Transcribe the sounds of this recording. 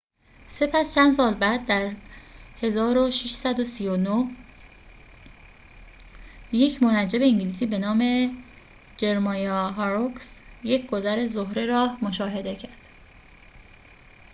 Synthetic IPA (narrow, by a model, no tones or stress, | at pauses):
se̞pʰæst͡ʃʰænd̪s̬ɒːlbæd̪̚ːæɾhe̞zɒːɾoʃiʃsæd̪osiːjonoh | je̞cʰmonæd͡ʒe̞be̞iŋɟiliːsiːbe̞nɒːme̞ | d͡ʒe̞ɾmɒjɒɦɑɾoksje̞cʰɡ̥o̞zæɾe̞zohɾeɾɒːmoʃɒːɦe̞d̪e̞cʰæɾd̪̥